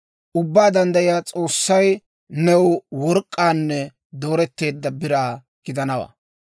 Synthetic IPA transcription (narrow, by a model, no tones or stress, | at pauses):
ʔʊbːaːd̪ɐnd̪ɐjɪjaːt͡sʼo̞ːsːɐj | nɛwwɔɾkʼːaːnːɛ | d̪o̞ːɾɛt̪ːe̞ːd̪ːɐbɪɾaː | ɡ̥ɪd̪ɐnɐwa̰